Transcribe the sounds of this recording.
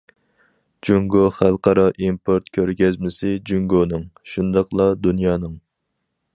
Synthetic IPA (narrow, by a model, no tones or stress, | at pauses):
d͡ʒuŋɡoχælˠqʰɑɾɑʔimpʰoɾt̪̚kʲʰøɾɡʲɛzmɪsɪd͡ʒuŋɡonɨŋʃund̪ɑqlˠɑd̪unjɑːnɨŋ